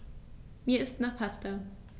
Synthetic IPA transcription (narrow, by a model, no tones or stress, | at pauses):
miːɐɪstnaːχpʰastɐ